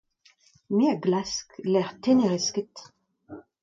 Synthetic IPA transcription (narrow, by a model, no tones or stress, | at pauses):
meaɡlasklɛʁt̪eneʁiskət